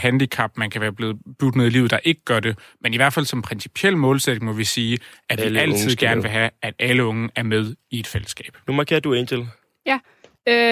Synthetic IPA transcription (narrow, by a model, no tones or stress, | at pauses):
hænd̥ikʰɑ̈b̥mænkʰæʋæːɐb̥le̝ːð̩ˠb̥uɡ̥d̥neð̰ˠilḭːð̩ˠd̥ɑ̈ʔe̝ɡ̥əɡ̥ɶɐd̥e̝meniʋæɐ̰d̥fæl̰sɒ̽mpʰʁɛnsi̥pʰiel̰mɔ̽ːlsed̥e̝ŋmɒ̽ʋisiːʔæ̥ʋiæl̰ʰið̰ˠɡ̥æɐnəʋe̝ɦæʔæd̥ʔæləɔ̽ŋəæɐmeð̞ˠie̝d̥fel̰əsɡ̥ɛ̰ːb̥numɑke̝ɐd̥uent͡sʰel | jæ